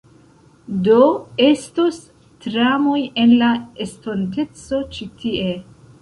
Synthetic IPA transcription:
doestos | tɾamo̞je̞nlaestonte̞t͡so̞t͡ʃitʰie̞

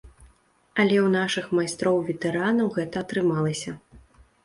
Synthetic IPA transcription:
ɐlʲɛwn̪aʂɨxmajst̪ɾɔwvʲɛt̪ɛɾanɐwɣɛt̪ɐːt̪ɾɨmalˠɐsʲɐ

